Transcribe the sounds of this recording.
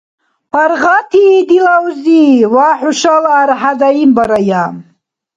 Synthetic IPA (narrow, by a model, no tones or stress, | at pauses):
pʰaɾʁat̪ʰiːd̪ilawziwaħuʃalːɾħadaimbaɾajam